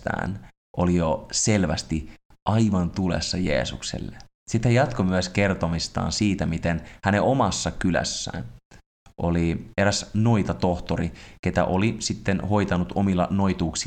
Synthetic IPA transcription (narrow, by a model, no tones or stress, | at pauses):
t̪æ̰ːn | ʔolijoselʋæst̪i | ʔɑiʋɑnt̪ulḛsːɑjḛːsuksḛlːe | sit̪ːejɑt̪komyæskert̪omist̪ɑ̰ːnsiːt̪æmit̪enhæneʔomɑsːɑkylæ̰sːæ̰ːn | ʔolieɾæsnoit̪ɑt̪oht̪oɾike̞t̪æ̰ʔolisit̪ːenho̞it̪ɑnut̪ʰomilːɑnoit̪uːksi